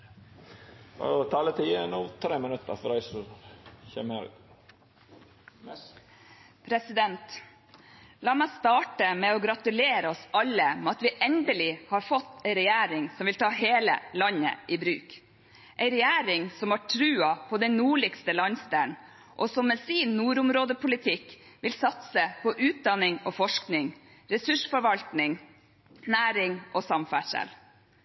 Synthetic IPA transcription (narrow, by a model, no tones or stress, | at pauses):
t̪ʰɑːlət̪ʰɪjɛnʊmt̪ʰɾeːmənʉt̪ːə̰ɾfɔɾæɪs | çɛmhɛl | pʰɾɛsɪd̪ɛnt̪ | lɑːmæɪst̪ɑːʈəmɛɔɡɾɑt̪ʉleːɾəɔsɑlːəmɛɑt̪ʋɪʔɛnd̪əlɪhɑɾfɔt̪ːæɪɾɛjæːɾɪŋsɔmʋɪlt̪ʰɑːheːlə̰lɑnːə̰ʔɪbɾʉːk | ʔɛɪɾɛjæːɾɪŋsɔmɑʈʰɾʉːɑpʰɔd̪ɛnnuːɭɪkst̪əlɑnst̪æːɳ | ʔɔsɔmːɛsiːnːuːɾʊmɾoːd̪əpʰʊlɪt̪ʰɪkː | ʋɪlsɑt̪səpʰɔʔʉːt̪̚d̪ɑnɪŋɔfɔʂknɪŋ | ɾɛsʉʂfɔɾʋɑlt̪nɪŋ | næːɾɪŋʔɔsɑmfæʂɛ̰l